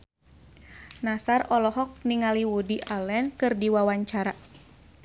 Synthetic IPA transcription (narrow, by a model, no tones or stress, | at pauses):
nasarɔlɔɦɔk̚niŋaliwudiʔalɛnkɨrdiwawaɲt͡ʃaɾa